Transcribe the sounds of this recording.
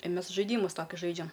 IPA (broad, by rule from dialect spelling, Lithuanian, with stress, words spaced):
ɪ ˈmʲeːs ʒɐɪˈdʲiːmʊs ˈtoːkʲʊs ˈʒɐɪd͡ʒʲɛm